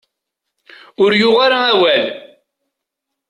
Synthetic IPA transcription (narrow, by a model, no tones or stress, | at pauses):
ʊɾjʊʁaɾaæwæl